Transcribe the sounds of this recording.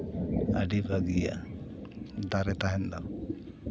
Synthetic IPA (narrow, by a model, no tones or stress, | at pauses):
a̰ɖibʱaɡija̰ | d̪aɾɛt̪aɦɛnd̪a̰